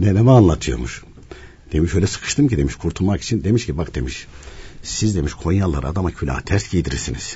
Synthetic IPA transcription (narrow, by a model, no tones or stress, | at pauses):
nɛnɛmaanlˠat̪ʰɯjo̞̰ɾmṵʃ | d̪̥e̞miʃø̞jlʲɛsɯ̥kʰɯ̥ʃt̪ɯmcid̪e̞miʃkʰuɾt̪ʰulˠmaki̥t͡ʃʰind̪e̞miʃcibakd̪̥e̞miʃsizd̪e̞miʃkʰo̞jjalːˠaɾa̰d̪amacʰylʲa̰ːt̪ʰæɾt̪ɟijd̪iɾiɾsiniz̥